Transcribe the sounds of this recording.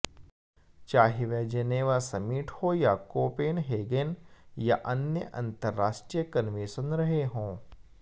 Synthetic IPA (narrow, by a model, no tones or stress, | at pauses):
t͡ʃaːɦiʋeːd͡ʒɐneːʋasɐmiːʈʰhojakoːpeːnɦeːɡenjaʔɐnjəʔɐ̰̃nt̪əɾːaːʃʈɾijəkɐnʋeːʃənɾɐɦeɦõː